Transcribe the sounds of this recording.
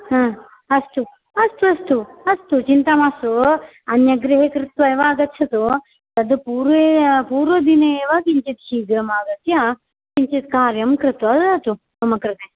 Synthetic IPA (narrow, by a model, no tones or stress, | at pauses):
ɦãː | ɐst̪u | ɐst̪uɐst̪uɐst̪ut͡ʃint̪amaːst̪u | ɐnjɐɡɾiɦekɾɪt̪ʋɐeːʋaːɡɐt̪ːt͡ʃʰɐt̪u | t̪ɐd̪upuːɾʋepuːɾʋɐd̪ineeːʋakiɲt͡ʃit̪ʃiːɡɾɐmaːɡɐt̪ja | kiɲt͡ʃit̪kaːɾjɐmkɾɪt̪ʋɐɐd̪ɐt̪u | nɐmɐkɾɪt̪e